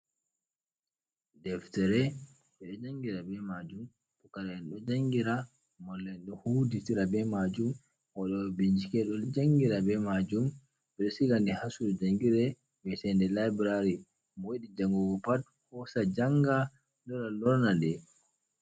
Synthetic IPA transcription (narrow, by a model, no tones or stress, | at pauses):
dɛftɛɾɛ | ɓɛɗɔd͡ʒaŋɡiɾabɛmad͡ʒum | ɗɔkaɾaɛnɗɔd͡ʒaŋɡiɾa | mɔlːɛnɗɔhuditiɾabɛmad͡ʒum | hɔɗɔbiɲd͡ʒikɛɗɔd͡ʒaŋɡiɾabɛmad͡ʒum | ɓɛɗɔsiɡandihasuɾɔd͡ʒaŋɡiɾɛ | bɛsɛndɛlabɾaɾi | mɔweɗid͡ʒaŋɡɔɡɔpat | hɔsad͡ʒaŋɡa | lɔɾalɔɾnadɛ